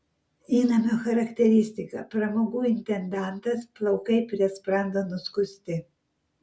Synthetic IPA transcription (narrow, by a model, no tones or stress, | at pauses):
iːnɐmʲoxɐɾɐkt̪ʲɛɾʲiːsʲt̪ʲikɐpɾɐmoɡuːɪnʲt̪ʲɛnd̪aˑnt̪ɐsplˠɐʊkɐɪpɾʲɛspɾɐnd̪ɔnʊskʊst̪ʲɪ